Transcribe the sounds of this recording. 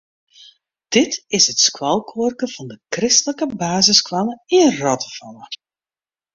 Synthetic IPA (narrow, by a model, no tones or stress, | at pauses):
d̥ɪtɪsətskwɑlˠkʰoːrkəv̥ɑndəkrɪstələkəbaːzəskwɑləɪnrɔtəv̥ɑlə